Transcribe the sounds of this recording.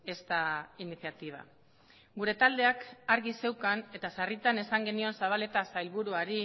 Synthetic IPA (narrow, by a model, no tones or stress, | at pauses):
e̞st̪ainiθjat̪iβ̞a̰ | ɡuɾe̞t̪ald̪e̞akaɾɣise̞wkane̞t̪asarit̪ane̞saŋɡe̞nio̞nsaβ̞ale̞t̪asajlβuɾuaɾi